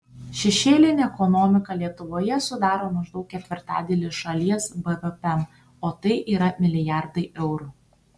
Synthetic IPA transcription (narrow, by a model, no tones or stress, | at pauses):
ʃʲɛʃʲeːlʲɪnʲeɛkɔnɔmʲɪkɐlʲiɛt̪ʊʋoːjɛsʊd̪ɑːɾoːmɐʒd̪ɐʊkʲkʲɛt̪ʲʋʲɪɾt̪ɑ̰ːd̪ʲɛːlʲɪʃɐlʲiɛsbɛʋɛpʲɛm | oːt̪ɐɪʔiːɾɐmʲɪlʲɪjæˑɾd̪ɐɪʔɛʊɾu